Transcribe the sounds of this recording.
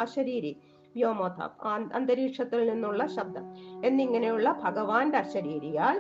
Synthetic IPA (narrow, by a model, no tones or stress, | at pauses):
ɐɕɐɾiːɾi | ʋjoːmoːt̪ʰɐ̰ːpːɐ̰nd̪ɐɾiːʂɐt̪ːilninːuɭːɐɕɐb̚d̪ʱɐme̞nːiŋːɐnejuɭːɐbʱɐɡɐʋaːndeɐɕɐɾiːɾijaːl